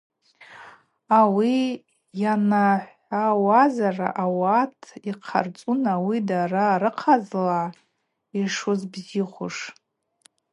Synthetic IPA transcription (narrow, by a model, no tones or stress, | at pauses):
awi | janaħʷ | awazara̰ʔawatʰiqʰa̰rt͡sʼunawidaraɾɨqʰazla | iʂuzbziχʷʊ̰ʂ